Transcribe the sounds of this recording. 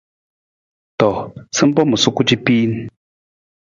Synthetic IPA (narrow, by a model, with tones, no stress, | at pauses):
t̪ɔ˨t͡sʰə˥˦mpɔ˦mə˨su˨ku˥˦t͡ɕi˦˨pi˦n